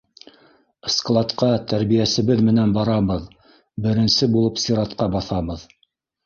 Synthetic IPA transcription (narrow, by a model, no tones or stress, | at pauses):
sklˠɑt̪qɑt̪æɾβijæsɘ̆βɘðmɘ̆nænbɑɾɑβɤð | bɘ̆ɾɘ̆nsɘbulˠɤpsʲiɾɑt̪qɑbɑθɑβɤð